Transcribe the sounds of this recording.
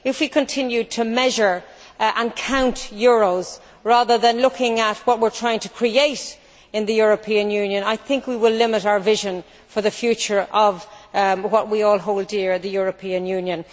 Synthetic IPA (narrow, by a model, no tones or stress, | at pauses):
ɪfwikʰə̃ntʰɪ̃njʉd̚tʰəmɛʒə˞ | ʔə̃nkʰãʊ̃ntjʊɹoʊz̥ | ɹaðə˞ðə̃nlʊkʰɪ̃ŋət̚wʌt̚wɪɹtʰɹ̥aɪɪ̃ŋtʰə̥kʰɹ̥ieɪɾ | ɪ̃nðɨjʊɹəpʰĩɨ̃njʉ̃njə̃naɪθɪ̃ŋkwiwɪlɪ̃mɪɾaʊə˞vɪʒə̃n | fə˞ðəfjʉt͡ʃə˞ʔʌvwʌʔ̚wiɔːlˠɦoʊlˠdɪɹðəjʊɹəpʰĩɨ̃njʉ̃njə̃n